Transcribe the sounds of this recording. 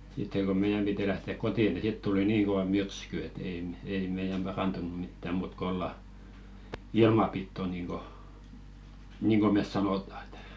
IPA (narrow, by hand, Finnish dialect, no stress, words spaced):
sitːeŋ ɡ̊o meijæm piti læhteˑk kotiˑ ni sit tuli niːŋ koʋɑ myrsky et ei mĕ ei meijæm b̥ɑrɑntunu mitːæ muːt k olːɑ ilmɑ pitːo niːŋko niːŋko mes sɑnoˑtɑ e̥tæ̥